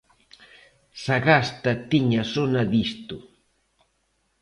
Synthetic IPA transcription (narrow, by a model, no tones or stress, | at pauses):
saɢast̪at̪ɪɲasonad̪ist̪ʊ